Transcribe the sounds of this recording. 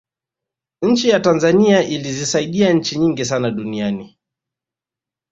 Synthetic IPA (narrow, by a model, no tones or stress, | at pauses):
ɲ̩t͡ʃijatanzaniaʔilizisaiɗiaɲ̩t͡ʃiɲiŋɡisanaɗuniani